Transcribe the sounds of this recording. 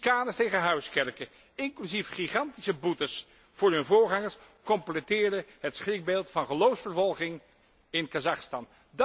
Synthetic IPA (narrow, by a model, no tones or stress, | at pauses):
kaːdəstejχəɦœɥskɛɹkə | ɪŋklyzifχiχɑntisəbutəs | fʊːɹɦɵnvʊːɹχɑŋəɹs | kɔmplətɪːɹdəɦətsχrɪk̚belˠtfɑnχəlowfsfəɹvɔlˠχɪŋ | ɪnkazɑχstɑn | d